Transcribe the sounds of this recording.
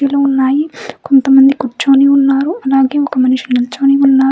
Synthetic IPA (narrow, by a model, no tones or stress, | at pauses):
iloːunːaːjikont̪ɐmɐnd̪ikuɾt͡ʃoːniːunːaːɾuɐlaːɡe̞ːɔkɐmɐniʃinilt͡ʃoːniːunːaː